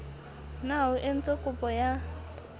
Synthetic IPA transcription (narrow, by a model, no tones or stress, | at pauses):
naʊʔɪn̩t͡sʼokʼʊpʼɔja